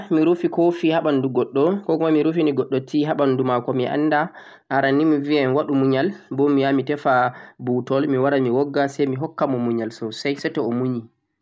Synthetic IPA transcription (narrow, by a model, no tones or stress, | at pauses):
miɾufikofihaɓanduɡɔɗːɔkɔkumamiɾufimiɡɔɗːɔtːiɦaɓandumakɔmiʔa̰nːda | ʔaɾanimiviaɛnwaɗumuɲalbɔmːijamitɛfabutɔlmiwaɾamiwɔɡːasɛjmiɦɔkːamɔmuɲalsɔsɛjsɛtɛɔmuɲi